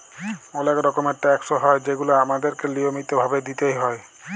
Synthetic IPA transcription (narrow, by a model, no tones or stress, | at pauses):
olekɾɔkomeɾʈɛksoɦɔed͡ʑeɡuloamad̪eɾkeliomit̪obʱabed̪it̪ejɦɔe